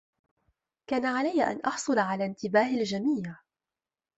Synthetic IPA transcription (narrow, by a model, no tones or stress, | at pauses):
kaːnaʕalajːʔa̰nʔɑħsˤʊlaʕalaːnt̪ɪbaːhald͡ʒamiːja